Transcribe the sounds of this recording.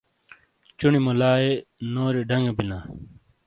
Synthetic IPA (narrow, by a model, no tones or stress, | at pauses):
t͡ɕunimolaːenoːɾeɖɐŋɡebinaː